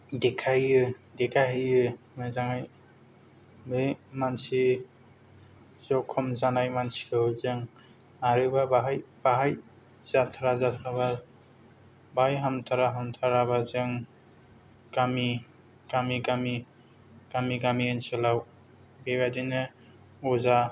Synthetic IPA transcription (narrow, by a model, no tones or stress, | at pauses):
dɛkʰajɯdɛkʰaɦɯjɯ | mezaŋaj | bemansi | zɔkʰːɔmzanajmansi̥kʰɯhɯzeŋ | aɾɯbabaɦajbaɦaj | zatʰaɾazatʰɾaba | bajɦamt̪ʰaɾaɦamt̪ʰaɾabazɯŋ | ɡ̥ami | ɡ̥amiɡami | ɡ̥amiɡamiɯnselaw | beɡadinɯ | ɔza